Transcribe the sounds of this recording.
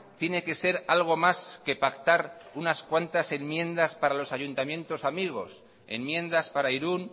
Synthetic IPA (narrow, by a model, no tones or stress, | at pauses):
t̪je̞ne̞ke̞se̞ɾalɣ̞o̞maske̞pakt̪aɾunaskwant̪ase̞mmjẽ̞nd̪aspaɾalo̞saʝunt̪amjẽ̞nt̪o̞samiɣ̞o̞̰s | e̞̰mmjẽ̞nd̪aspaɾaiɾun